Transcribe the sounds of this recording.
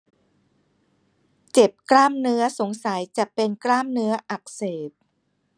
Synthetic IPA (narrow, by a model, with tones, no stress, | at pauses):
t͡ɕe˨˩p̚klaː˥˩mnɯ˦˥ɐso˩˦ŋsa˨˩˦jt͡ɕa˨˩pe˧nklaː˥˩mnɯ˦˥ɐʔa˨˩k̚seː˨˩t̪̚